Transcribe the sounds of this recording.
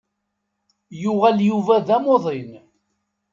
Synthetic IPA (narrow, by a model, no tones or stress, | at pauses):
jʊʁæljuvæðæmoðˤɪn